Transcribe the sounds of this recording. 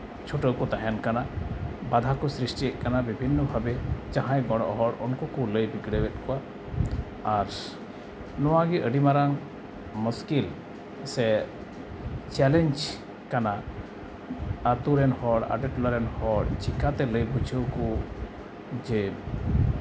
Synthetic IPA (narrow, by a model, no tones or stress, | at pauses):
t͡ʃʰuʈəwkɔt̪aɦankanabad̪ʱakɔsɾisʈijɛʔkanabibʱinːɔbʱabɛd͡ʒãɦãjɡɔɽɔ̰ʔɦɔɽɔnkɔkɔləjbiɡɽɛwɛt̪̚ˀkɔaː | ɾ | nɔwaɡɛʔəɖimaɾaŋ | muskil | sɛ | t͡ʃɛlɛɲd͡ʒ | kana | at̪uɾɛnhɔɽa̰ʈɛʈlɔɾɛnhɔɽt͡ʃʰikat̪ɛləjbʱut͡ʃʰəwkɔ | d͡ʒɛ